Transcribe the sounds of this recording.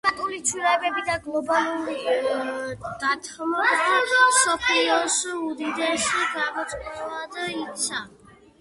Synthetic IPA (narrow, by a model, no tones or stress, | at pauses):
at̪ʼulit͡ʃʰwiɾɛɛbɛbid̪aɡlˠɔbalˠuɾi | d̪̥at̪ʰmɔd̪sɔpʰliɔsud̪id̪ɛsiɡamɔt̪sʼkʼwit̪ʼlad̪ait̪sʰa